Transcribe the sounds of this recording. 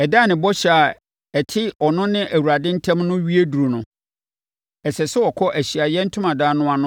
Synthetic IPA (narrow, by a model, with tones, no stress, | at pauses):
ɛ˨da˦˨nɪ̃˨bɔ˦ɕɛ˦˨a˨ | ɛ˨tʰɪ˦ɔ˨nʊ̃˦nɪ̃˦ʔæ˨wu˨ɾa˨dɪ̃˦n̩˦tʰɛ̃˦mnʊ̃˦ɥi˦e˦du˨ɾo˨nʊ̃˨ | ɛ˨sɛ˨sɛ˦ɔ˨kʰɔ˦ʔæ˨ɕi˨a˨jɛ˦n̩˦tʰʊ̃˦mã˨daː˦nʊ̃˦a˨nʊ̃˦